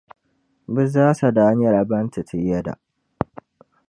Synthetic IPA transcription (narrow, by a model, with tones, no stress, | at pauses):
bɪ˦zaː˦sa˨da˨a˦ɲjɐ˨ɾa˨bɐ˦ntʰi˨tʰi˨jɐ˦da̰˨ʔ